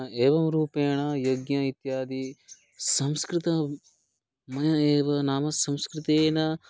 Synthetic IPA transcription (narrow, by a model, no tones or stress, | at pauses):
eːʋɐmɾuːpeːɳɐjoɡɲɐit̪jaːd̪i | sɐ̃mskɾɪt̪ɐ | mɐjɐeːʋɐnaːmɐsɐ̃mskɾɪt̪eːnɐ